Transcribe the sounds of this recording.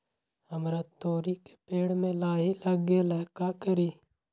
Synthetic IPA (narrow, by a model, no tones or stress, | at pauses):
həmɾat̪oːɾike̥peːɽmẽlaːilɐɡelɛɦkakəɾiː